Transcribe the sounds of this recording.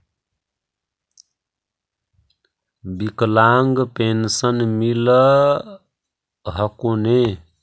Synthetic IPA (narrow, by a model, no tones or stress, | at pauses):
biklaŋɡpensənmilə | ɦəkone